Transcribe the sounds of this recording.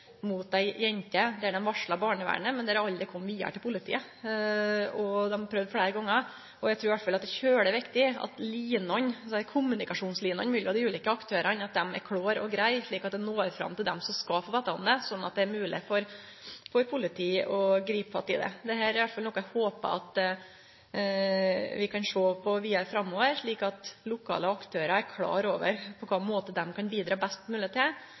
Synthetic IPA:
mʊt̪̚d̪æɪjɛɲt̪əd̪ɛæɖɛmʋɑʂɭɑbɑːɳəʋæ̰ːɳəmɛnd̪ɛæɾɑld̪ɾɪkʰɔmːʋiːə̰ʈʰɪlpʰʊlɪt̪ʰḭːə | ɔd̪ɛmhɑpʰɾœʋd̪fleːɾəɡɔŋːə | ɔjæɡt̪ʰuːɾʋæʈ̪tfɑlɑt̪̚d̪ɛçøːɖɛʋɪkt̪ɪɑ̰t̪liːnɔnskʰʊmːʉnɪkɑʂuːnsliːnɔ̰nmʉːlɪpɔd̪ɪʉːlɪkːəɑkt̪ʰøːɾɑnɑt̪̚d̪ɛmæ̰ɾkʰɽoːɾɔɡɾæɪʂɭiːkɑt̪̚d̪ɛnoːɾfɾɑ̰mːt̪ʰɪld̪ɛ̰msɔmskɑfoːʋɛːt̪ːɑʊmd̪ɛsɔnːɑt̪̚d̪ɛæɾmʉːlɪfɔɾfɔɾpʰʊlɪt̪ʰiːɔɡɾiːpfɑ̰t̪ːɪ̰d̪ɛ̰d̪ɛhæːɾʋæt̪fɑlnɔkːəhoːpə̰ɑ̰t̪ | ʋɪkʰɑnʂoːpʰɔʋɪæɾfɾɑmːoːʋəɾʂɭiːkɑt̪lʊkʰɑ̰ːləɑkt̪ʰøːɾɑæɾkʰlɑ̰ːɾoːʋə̰ɾpʰɔkʰɑːmoːt̪əd̪ɛmkʰɑnbiːd̪ɾɑːbɛst̪mʉːlɪɛt̪ːɪ

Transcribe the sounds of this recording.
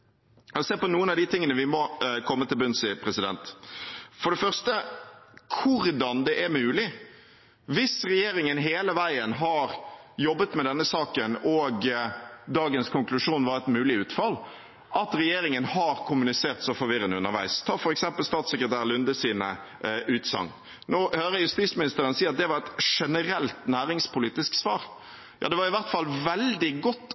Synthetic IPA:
seːpɔnuːənɑʋd̪ɪt̪ʰɪŋːənəʋɪmɔkʰɔmːət̪ɪlbʉnsɪpʰɾɛsɪd̪ɛ̰nt̪ | fɔɖɛfœʁst̪ə | kʰʊɾd̪ɑnd̪ɛʔɛɾmʉːlɪ | ʋɪsɾɛjeːɾɪŋənɦeːləʋæɪənɦɑɾjɔbːət̪mɛd̪ɛnːəsɑːkənɔːɡd̪ɑːɡənskʰʊŋklʉʂuːnʋɑɾɛt̪mʉːlɪʉːt̪fɑl | ʔɑt̪ɾɛjeːɾɪŋənhɑɾkʰʊmʉnɪseːʁt̪sɔfɔɾʋɪɾənd̪əʉnəɾʋæ̰ɪst̪ʰɑːfɔɾɛksɛmpəlst̪ɑːt̪sɛkɾət̪ʰæːɾlʉnd̪əsiːnə | ʉːt̪sɑ̰ŋ | noːhøːɾəjʉst̪iːsmɪnɪst̪əɾənsiːɑt̪̚d̪ɛʋɑɾɛt̪ʂɛnəɾɛlt̪næːɾɪŋspʊliːt̪ɪsksʋɑːɾ | jɑ̰ːd̪ɛʋɑɾɪʋæɾt̪fɑlːʋɛld̪ɪɡɔt̪ː

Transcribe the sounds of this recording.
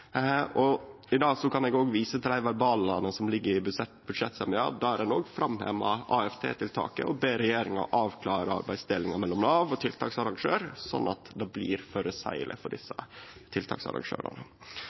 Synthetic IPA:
ɔ | ɪd̪ɑːsɔkʰɑnɛɡoːɡʋiːsət̪ɪld̪æɪʋæɾbɑːlɑnəsɔmlɪɡːəɾɪbʉʂɛt̪bʉd̪ʂɛt̪ːsɛmɪɑ̰ːd̪ɑæɾɛnoːɡfɾɑmhḛːmɑ̰ʔɑːɛft̪ʰḛːt̪ʰɪlt̪ʰɑ̰ːkə̰ɔbeːɾɛjeːɾɪŋɑ̰ʔɑːʋkʰlɑːɾəɑ̰ɾbæɪst̪ɪlːɪŋɑmɛlːɔmnɑːʋɔt̪ʰɪlt̪ʰɑ̰ːksɑɾɑŋʂøːɾsɔ̰nːɑt̪d̪ɛblḭːɾføɾəsæ̰ɪlɪ̰fɔɖɪsːət̪ʰɪlt̪ʰɑ̰ːksɑ̰ɾɑ̰ŋʂø̰ːɾɑ̰nə

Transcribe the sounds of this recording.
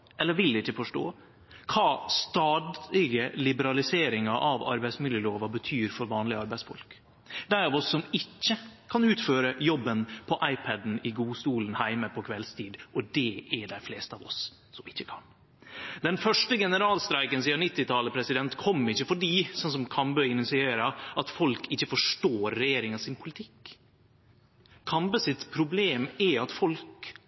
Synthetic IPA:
ʔɛlːəɾʋɪld̪ɪɪçːəfɔʂʈo̰ː | kʰɑːst̪ɑːd̪lɪɡəlɪbəɾɑlɪseːɾɪŋɑʔɑʋɑ̰ɾbæɪsmɪljəloːʋɑbət̪ʰyːɾfɔɾʋɑːnlɪəɑɾbæɪsfɔ̰lk | d̪æɪɑʋɔsːɔmɪçːəkʰɑnʉːt̪føːɾəjɔbːənpʰɔʔɑɪpʰɛd̪n̩ɪɡuːst̪uːlənhæɪməpʰɔkʰʋɛlst̪ʰiːd̪ʔɔd̪ɛɛɖæɪfleːst̪əɑːʋɔ̰s | sɔmɪçːəkʰɑ̰n | d̪ɛnfœʂʈəɡɛnəɾɑːlst̪ɾæɪkənsiːɑnɪt̪ːɪt̪ʰɑləpʰɾɛsɪd̪ɛnt̪kʰɔmːɪçːəfɔɖiːsɔns̬ɔmkʰɑmbœɪnɪsɪeːɾɑɑt̪fɔlkɪçːəfɔʂʈoːɾːɛjeːɾɪŋɑsɪnpʰʊlɪt̪ʰɪk | kʰɑmbəsɪt̪pʰɾʊbleːmɛɑt̪fɔlk

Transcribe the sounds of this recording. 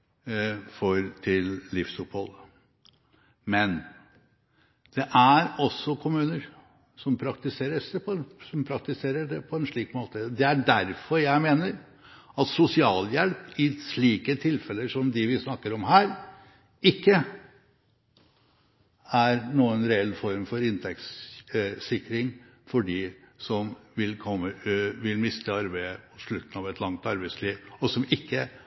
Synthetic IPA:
fɔɾt̪ʰɪllɪfsʉphɔd̪ə | mɛn | d̪̥ɛʔæɾɔsːɔkʰʊmʉːnəɾ | sɔmpʰɾɑkt̪ɪseːɾəʂɛpʰɔsɔmpʰɾɑk̚t̪ɪseːɾəɖɛpʰɔɛnʂɭiːkmoːt̪əd̪ɛæɖæɾfɔɾjæɪmeːnəɾ | ɑt̪sʊsɪɑːljɛlpɪʂɭiːkət̪ʰɪlfɛlːəʂɔmd̪ɪʋɪsnɑkːəɾɔmhæːɾ | ɪkːə | æɾnuːənɾɛɛlːfɔɾmfɔɾɪnt̪ʰɛks | sɪkɾɪŋ | fɔɖisɔmʋɪlkʰɔmːəʋɪlmɪst̪əɑɾbæɪəpʰɔ̥ʂɭʉt̪ːn̩ɑʋɛt̪lɑŋt̪ɑɾbæɪsliːʋɔsɔmɪkːə

